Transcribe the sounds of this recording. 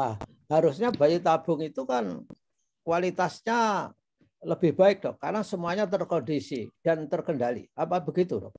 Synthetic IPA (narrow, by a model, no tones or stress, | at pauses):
a | haɾusɲabait̪ab̥ʊŋit̪ukan | kwalit̪asɲa | ləb̥ɪhb̥aɪk̚d̪ɔhkarnasəmuaɲat̪ərkondisid̥ant̪ərkəndalḭapabəɡit̪udɔ̰